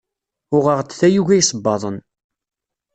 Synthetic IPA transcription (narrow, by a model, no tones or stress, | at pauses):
ʊʁəʁt͡sːθæjuʝæjsˤəbːɑðˤən